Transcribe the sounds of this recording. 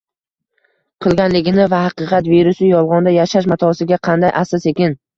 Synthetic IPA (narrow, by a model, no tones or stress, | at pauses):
qʰɨlˠɡʲanlɪɡʲɪnɪvahɑqɨqʰɑt̪viɾʊsɪjɒlˠʁɒnd̪ajaʃaʃmat̪ʰɒsɪɡʲaqʰɑnd̪ajʔasɒse̞kʲɪn